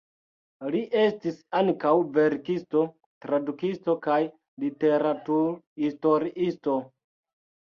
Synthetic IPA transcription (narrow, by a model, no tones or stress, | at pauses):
liʔe̞stisaŋkawve̞ɾkisto̞ | tɾadukisto̞kaj | lite̞ɾatuɾhisto̞ɾiʔisto̞